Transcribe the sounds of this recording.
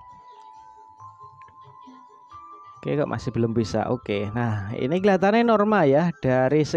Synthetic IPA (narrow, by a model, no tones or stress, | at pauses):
okeka̰ʔmʔa̰sɪhb̥ə̤lʊmbisa̰ʔokenahḭniɡilat̪anenɔrmaljahɖ̥a̤ɾisə